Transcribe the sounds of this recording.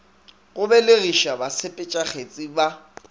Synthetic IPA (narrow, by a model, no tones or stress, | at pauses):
ɣʊbɛleɣiʃabasʰepʼɪt͡ʃʼaχet͡sʼiba